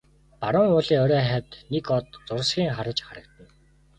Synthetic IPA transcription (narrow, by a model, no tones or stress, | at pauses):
paɾʊŋʊːɮiːŋɔɾœːχæt̪nekɔt̪t͡sʊr̆sxʲiːŋχaɾə̆t͡ɕχaɾə̆kt̪ə̆n